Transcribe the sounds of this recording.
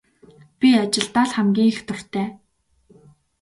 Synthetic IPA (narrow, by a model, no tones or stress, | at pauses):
pʲiat͡ɕɪ̆ɮt̪aːɮχæmɡʲiːŋxt̪ʰʊr̥t̪ʰæː